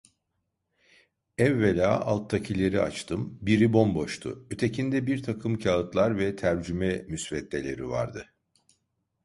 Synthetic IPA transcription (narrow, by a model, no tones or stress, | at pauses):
ɛvːelʲaːalˠt̪ʰːacʰilʲe̞ɾia̰t͡ʃt̪ʰɯmbiɾibo̞mbo̞ʃt̪ʰʊ̰yt̪ʰe̞cʰind̪ɛbiɾt̪ʰakʰɯmcʰaɯt̪lˠaɾvɛt̪ʰæɾd͡ʒymɛmysvɛt̪lʲe̞lʲe̞̰ɾiva̰ɾd̪ɯ